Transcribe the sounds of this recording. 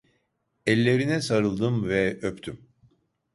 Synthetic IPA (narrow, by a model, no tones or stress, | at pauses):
ɛlʲːe̞ɾinɛsaɾɯlˠd̪ɯmvɛøpt̪ʰym